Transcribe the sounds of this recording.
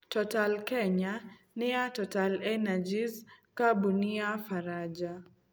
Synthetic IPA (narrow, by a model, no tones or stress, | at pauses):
tɔtalkɛɲa | niatɔtalɛnad͡ʒizkaɓuniafaɾad͡ʒa